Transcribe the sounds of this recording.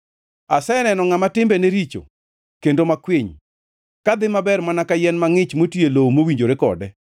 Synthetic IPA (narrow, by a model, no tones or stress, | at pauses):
asɛnɛnɔŋamatɪmbɛneɾit͡ʃo̰ | kendomakwɪɲ | kad̪ɪmabɛrmanakajɛnmaŋɪt͡ʃmotjelowmowiɲd͡ʒoɾekɔ̰dɛ